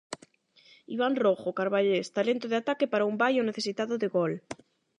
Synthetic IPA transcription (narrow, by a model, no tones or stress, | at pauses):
iβ̞anroxokaɾβaʎest̪alent̪oðeat̪akepaɾaumbajoneθesit̪aðoðeɣol